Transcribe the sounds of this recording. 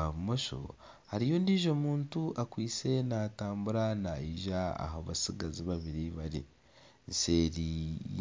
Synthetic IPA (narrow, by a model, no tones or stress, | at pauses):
amoʃo̰ | haɾijondiːʒo̞muːntuʔakwiːt͡se̞nataːmbuɾanaiʒaa̰ɦaβasiɡaziβaβiɾiβaɾḭ | nse̞ːɾi